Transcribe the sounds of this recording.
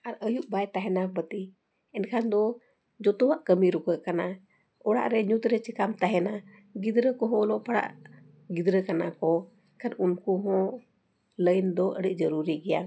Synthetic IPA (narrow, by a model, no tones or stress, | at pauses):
aɾəjuʔbajt̪aɦɛnabət̪i | ɛnkʰand̪ɔ | d͡ʒɔt̪ɔwaʔkəmiɾukəʔkana | ɔɽa̰ʔɾɛɲut̪ɾɛt͡ʃikamt̪aɦɛna | ɡid̪ɾəkɔɦɔlɔpaɽa̰ʔ | ɡid̪ɾəkana̰kɔ | kʰaɾunkuɦɔ̃ | ləjnd̪ɔʔəɽiʔ̚ˀd͡ʒəɾuɾiɡɛja̰